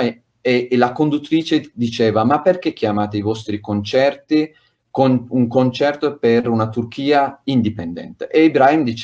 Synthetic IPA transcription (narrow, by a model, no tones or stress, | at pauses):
elakond̪ut̪ːɾiːt͡ʃed̪it͡ʃɛːvamapːerkekʰːjamaːt̪eivɔst̪ɾikont͡ʃɛrt̪i | konuŋkont͡ʃɛrt̪opeɾunat̪urkʰiːaind̪ipend̪ɛ̰nt̪eʔeibɾaimd̪it͡ʃ